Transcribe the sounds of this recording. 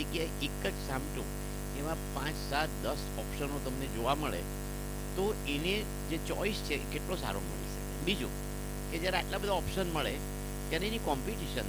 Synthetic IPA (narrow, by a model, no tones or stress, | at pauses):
ekiaekəd͡ʒsamʈṵ̃ | eʋãpãt͡ʃsat̪d̪əs | ɔpʃənot̪əmned͡ʒoʋaməɭḛ | t̪oene | d͡ʒet͡ʃɔist͡ʃʰeʔkeʈlosa̰ɾo̰mə̰ɽḭt͡ʃʰəkebid͡ʒṵ | ked͡ʒjaɾeaʈlabəd̪ʱaɔpʃənməɭe | t̪jaɾeːnikɔmpiʈiʃən